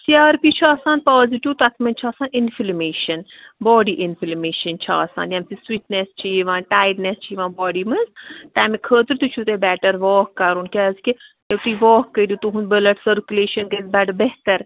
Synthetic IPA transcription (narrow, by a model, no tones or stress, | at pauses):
sjaːɾpit͡ʃʰaːsãːn̚paːziʈiwt̪ɐt̪ʰmɐnʲt͡ʃʰaːsãːninfilmeːʃɐnbɔːɖiʔɪnfilmeːʃɐnt͡ʃʰa̰ːsã̰ːnd̪jɐmt̪iswiːʈnest͡ʃʰiʋãːnʈaːjɖnest͡ʃʰiːʋãːbɔːɖimɐzt̪aːmikʰəːt̪ɾt̪ut͡ʃʰut̪ebɛːʈəɾʋɔːkːɐɾuːnkʲazki | eʋt̪uiʋɔːkːəd̪ut̪uɦũnbəlɐʈsəɾkʲuleːʃɐnkəzbɐɖbeɦt̪əɾ